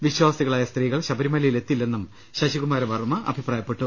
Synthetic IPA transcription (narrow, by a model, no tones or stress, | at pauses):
ʋiɕwaːsiɣɐɭaːjɐst̪riːɣɐɭɕɐbɐɾimɐlɐjile̞t̪ːilːe̞nːum | ɕɐɕiɣumaːɾɐmɐrumːɐʔɐ̰bʱipraːjɐpːe̞ʈːu